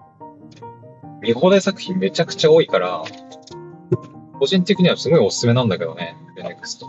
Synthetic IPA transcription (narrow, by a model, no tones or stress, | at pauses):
mʲiɦoːd̪esakɯ̟̥çʲĩmme̞t͡ɕakɯ̟̥t͡ɕao̞ːikaɾa̰ | ko̞ʑĩnt̪e̞kʲiɲ̟iβasɨɡo̞io̞sɨ̥sɨme̞nãnd̪ake̞d̪o̞̰ne̞ | bẽnʲɾekɯ̟̥sɨ̥t̪o